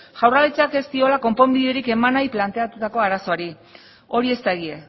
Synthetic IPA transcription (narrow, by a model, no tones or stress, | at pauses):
ʝ̥awralet͡sake̞st̪io̞lako̞mpo̞mbiðe̞ɾike̞manajplant̪e̞at̪ut̪ako̞aɾaso̞aɾi | o̞ɾie̞st̪aeɣie